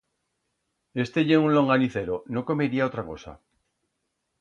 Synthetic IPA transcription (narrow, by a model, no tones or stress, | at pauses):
e̞st̪eʝeunlo̞ŋɡaniθeɾonoko̞meɾiaot̪ɾako̞sa̰